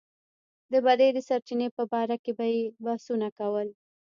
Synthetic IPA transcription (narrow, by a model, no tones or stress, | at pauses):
d̪əbad̪ajd̪əsaɾt͡ʃinepəbɑɾakebajebahsunakawəl